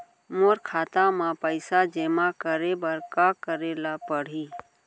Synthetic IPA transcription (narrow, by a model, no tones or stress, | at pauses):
moːɾkʰaːt̪ãmãpəɪsad͡ʒemakəɾebəɾkakəɾelapəɽ̤iː